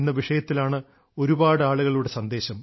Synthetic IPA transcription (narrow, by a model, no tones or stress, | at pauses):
nːɐʋiʂɐjɐt̪ːilaːɳɨ | o̞ɾubaːɽɨaːɭuɣɐɭuɽe̞sɐnd̪e̞ːɕɐm